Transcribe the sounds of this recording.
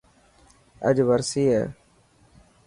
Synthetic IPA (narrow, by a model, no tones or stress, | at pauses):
ə̰d͡ʒʋəɾsiːḛː